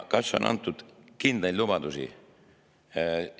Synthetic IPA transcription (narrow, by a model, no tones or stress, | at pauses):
kɑso̰nʔɑ̰nt̪ːˑud̪̥kind̪̥elubɑd̪usḭ